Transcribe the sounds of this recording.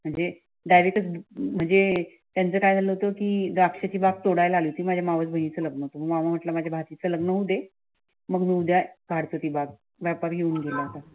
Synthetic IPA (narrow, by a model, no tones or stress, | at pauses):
m̤əɳd͡ze | ɖajʋekət͡sm̤əɳd͡ze | t̪jant͡səkajd͡zʱaləɦot̪okiːd̪akʂat͡ɕiːbaɡ̚t̪oɽajlalit̪iːmad͡ʑʱjamaʋət͡sbʱəinet͡sələɡnəɦot̪oməɡmamam̤əʈləmad͡ʑʱjabʱat̪it͡sələɡnəɦud̪e | məɡmiud̪ʱjaɡʱaɽt͡sət̪iːbaɡ̚ | ʋjapəɾjeuːnɡʱelaat̪a